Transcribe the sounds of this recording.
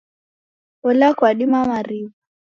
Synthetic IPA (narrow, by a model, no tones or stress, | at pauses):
ɔlakwaɗimamaɾiva